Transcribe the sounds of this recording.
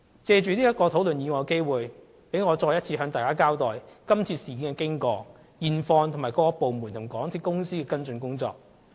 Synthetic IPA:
t͡sɛː˧t͡ʃyː˨nliː˥jɐ˥t̚kɔː˧t̪ʰo˨˥wlɵ˨njiː˨˧ŋɔː˨˧ke˥jwuː˨j | pe˨˧˥jŋɔː˨˧t͡sɔː˧jɐ˥t̚t͡sʰiː˧ɦœː˨˧ŋt̪aː˨jkaː˥kaː˥wt̪ɔː˨jkɐ˥mt͡sʰiː˧siː˨˩kiː˨˥nkɛ˧kɪ˥ŋkɔː˧ | jiː˨nfɔː˧ŋt̪ʰŋmːaː˨˩jkɔː˧kːɔ˧po˨wmuː˨˩nt̪ʰʊ˨˩ŋ͡mkɔː˨˥ŋt̪ʰiː˧t̚kʊ˥ŋsiː˥kɛː˧kɐ˥nt͡sɵ˧nkʊ˥ŋt͡sɔ̰ː˨k̚

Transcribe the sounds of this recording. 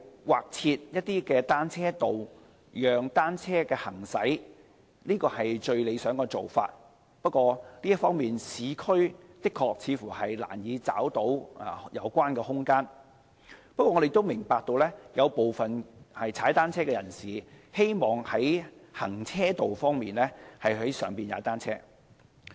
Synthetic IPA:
waː˨k̚t͡sʰiː˧t̚jɐ˥t̚t̪ːiː˥kɛː˧t̪aː˥nt͡sʰɛː˥t̪o˨w | jœː˨ŋt̪aː˥nt͡sʰɛː˥kɛː˧hɐ˨˩ŋsɐ˨˥j | liː˥kɔː˧hɐ˨jt͡ʃɵ˧ɥle˨˧jsœː˨˥ŋkɔː˧t͡so˨wfa̰ː˧t̚ | pɐ˥t̚kʷɔː˧liː˥ɐ˥tfɔː˥ŋmiː˨nsiː˨˧kʰɵ˥ɥt̪ɪ˥kʰɔː˧k̚t͡sʰiː˨˧fuː˨˩hɐ˨jla̰ː˨˩njiː˨˧t͡sa̰ː˨˥wt̪o˨˥wjɐ̰˨˧wkʷaː˥nkɛː˧hʊ˥ŋkaː˥n | pɐ˥t̚kʷɔː˧ŋː˧ɾe˨jt̪o˥wmɪ˨˩ŋpaː˧k̚t̪o˧wlɛː˥jɐ˨˧wpo˨wfɐ˨nhɐ˨jt͡sʰaː˨˥jt̪aː˥nt͡sʰɛː˥kɛː˧jɐ˨˩nsiː˨ | he˥jmɔː˨ŋhɐ˨˥jhɐ˨˩ŋt͡sʰɛː˥t̪o˨wfɔː˥ŋmiː˨nlɛː˥hɐ˨jɦɐ˨˥jsœː˨ŋpiː˨nja̰ː˨˧t̪aː˥nt͡sʰɛː˥

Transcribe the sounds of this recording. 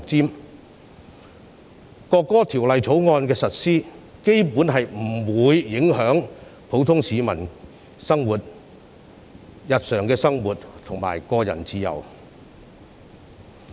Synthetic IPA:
t͡siː˥m | kɔː˧kːɔː˥t̪ʰiː˨˩wlɐ˨jt͡sʰo˨˥wŋɔː˧nkɛː˧sɐ˨t̚siː˥ke˥jpuː˨˥nɦɐ˨jm̩˨˩wuː˨˧jːɪ˨˥ŋɦœː˨˥ŋpʰo˨˥wt̪ʰʊ˥ŋsiː˨˧mɐ˨˩n | sɐ˥ŋwuː˨t̚ | jɐ˨t̚sœː˨ŋkɛː˧sɐ˥ŋwuː˨tt̪ʰʊ˨˩ŋma̰ː˨˩jkɔː˧jɐ̰˨˩nt͡siː˧jɐ̰˨˩w

